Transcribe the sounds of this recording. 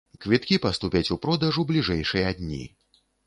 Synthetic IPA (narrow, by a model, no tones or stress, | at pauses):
kvʲit̪̚kʲipɐst̪upʲat͡sʲupɾɔd̪ɐʐublʲiʐɛjʂɨjɐd̪ʲnʲḭ